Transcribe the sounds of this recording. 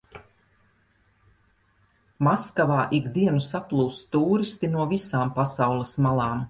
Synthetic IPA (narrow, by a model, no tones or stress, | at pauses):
maskavaːʔiɡd̪iɛnusaplˠuːst̪uːɾist̪inuɔvisaːmpasawlˠismalˠaːm